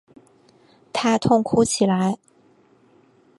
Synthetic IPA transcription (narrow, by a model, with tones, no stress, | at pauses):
t̪ʰa˥t̪ʰʊ˥ŋkʰu˥t͡ɕʰi˨˩la˧˥ɪ